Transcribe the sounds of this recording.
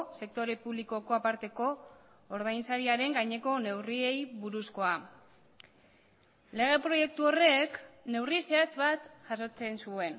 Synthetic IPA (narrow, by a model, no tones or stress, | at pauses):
se̞k̚t̪o̞ɾe̞puβliko̞ko̞apaɾt̪e̞ko̞ː | ɾð̞ajnsaɾiaɾe̞ŋɡajɲe̞ko̞ne̞wrie̞jβuɾusko̞a | le̞ɣ̞e̞pɾo̞je̞k̚t̪uo̞re̞kne̞wrise̞at͡sβat̪ʝaso̞t͡se̞nsue̞n